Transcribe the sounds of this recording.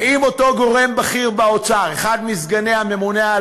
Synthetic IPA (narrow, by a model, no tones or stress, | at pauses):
imo̞t̪o̞ɡo̞ʁe̞mbaχiʁbaot͡saʁeχad̪mizɡane̞hame̞munea